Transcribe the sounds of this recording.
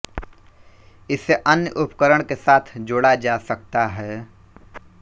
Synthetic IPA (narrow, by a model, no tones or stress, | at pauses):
ɪsːeʔɐnjəʔʊpkəɾəɽ̃kesaːt̪ʰd͡ʒoːɽad͡ʒaːsəkt̪aɦɛː